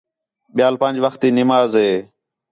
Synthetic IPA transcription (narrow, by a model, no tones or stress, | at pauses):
ɓɪjaːlpənʲd͡ʒʋəxt̪iːnɪmaːzɦeː